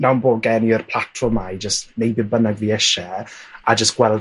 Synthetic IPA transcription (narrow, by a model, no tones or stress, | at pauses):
nawnboːɡɛniərpʰlˠatʰɔmajd͡ʒəstnejbibənaɡviːɛʃɛad͡ʒəsɡ̥wɛl